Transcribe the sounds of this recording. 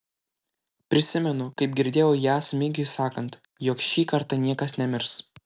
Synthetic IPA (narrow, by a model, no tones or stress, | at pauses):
pʲɾʲɪsʲɪmʲɛnʊkɐɪp̚ɡʲɪɾʲd̪ʲeːjoːjæːsmʲɪɡʲɪsɑːkɐnt̪ | jɔːkʃʲiːkɐɾt̪ɑnʲiɛkɐsnʲɛmʲɪɾs